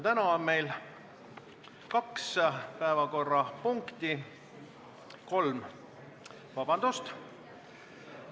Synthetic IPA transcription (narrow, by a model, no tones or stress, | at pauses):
t̪ænɑonme̞jl | kɑkspæevɑko̞rːɑpuŋkt̪i | ko̞lm | vɑb̥ɑnd̪̥ust̪